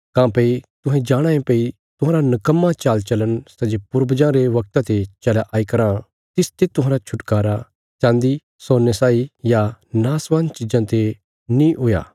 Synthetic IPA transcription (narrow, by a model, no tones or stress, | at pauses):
kãːpeit̪ʊ̃ɦɛ̃d͡ʒaːɽ̃ãːẽpei | t̪ʊɦãːɾanɐkəmːat͡ʃaːlt͡ʃɐlənsɐd͡ʒepʊɾbəd͡ʒãɾeʋɐk̚t̪ãt̪et͡ʃɐlaʔaːikɐɾã | t̪ɪst̪et̪ʊ̃ɦãːɾat͡ʃʰʊʈkaːɾa | t͡ʃãːnd̪i | soːnesaːijanaːsʋaːnt͡ʃɪd͡ʒãt̪e | nĩɦʊja̰ː